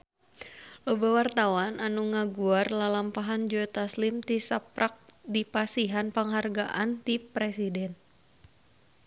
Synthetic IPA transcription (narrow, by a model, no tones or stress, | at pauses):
lobɛwart̪awananuŋaɡuarlalampaɦand͡ʒɔɛt̪aslimt̪isapɾʔak̚dipasiɦanpaŋɦarɡaʔant̪ipɾɛsidɛn